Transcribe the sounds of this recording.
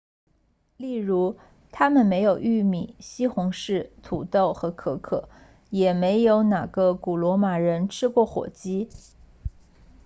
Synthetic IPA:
li˥˩ɻu˧˥ | t̪ʰa˥mə˨nme˧˥ɪjo˨˩ʊy˥˩mi˨˩ɕi˥xʊ˧˥ŋʂɻ̩˥˩t̪ʰu˨˩t̪o˥˩ʊxɤ˧˥kʰɤ˧˥kʰɤ̰˨˩˦ | jɛ˨˩me˧˥ɪjo˧˥ʊna˨˩ɡə˧ku˨˩lwɔ˧˥ma˨˩ɻə˧˥nʈ͡ʂʰɻ̩˥kwɔ˥˩xwɔ̰˨˩t͡ɕi˥

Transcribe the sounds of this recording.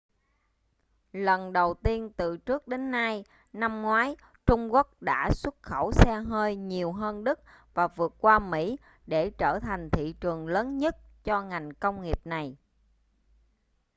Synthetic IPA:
lə˨˩nɗə˨˩wt̪i˧ənt̪ɨ˨˩t͡ɕɨ˦˥ək̚ɗe˨˦nːa˧j | na˧mŋwaː˨˦j | t͡ɕʊ˧ŋ͡mku˦˥ək̚ɗa̰ː˧˥swə˦˥t̚xə˧˩wsɛ˧ɦəː˧jɲi˨˩əwɦəː˧nɗɨ˦˥k̚ | vaː˨˩vɨ˨˩ət̚kwaː˧mḭ˧˥ | ɗe˧˩t͡ɕəː˧˩t̪ʰa˨˩jŋ̟t̪ʰḭ˧˨t͡ɕɨ˨˩əŋləː˨˦nɲə˦˥t̚ | t͡ɕɔ˧ŋa˨˩jŋ̟kə˧wŋ͡mŋi˨˩əp̚na˨˩j

